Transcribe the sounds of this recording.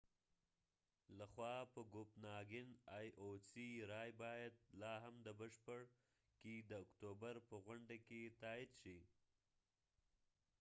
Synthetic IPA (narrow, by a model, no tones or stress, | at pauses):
laxwɑpəɡopnɑɡɪnɑjʔosiɾɑjbɑjad̪̚lɑɦamd̪əbəʃpəɽ | ked̪əʊkt̪obaɾpəɣwaɳɖaket̪ɑːɪd̪ʃi